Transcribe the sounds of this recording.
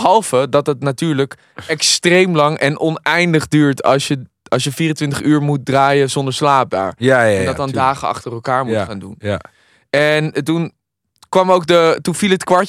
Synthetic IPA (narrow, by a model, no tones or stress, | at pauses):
ɦɑlˠvədɑtɦətnatyːɹlək | ɛkstrejmlɑŋɛ̰nʔɔnɛjndəχdyːɹtɑ̰lˠsjə | ʔɑlsjəfiːrəntʋɪntəχyːɹmut̚draːjəzɔndəɹslaːp̚da̰ːɹɛndɑdɔndaːχəɑ̰χtərɛlˠkaːɹmuχaːndṵn | ɛntun | kʋɑmowk̚dətunvilˠɦətkʋɑɹ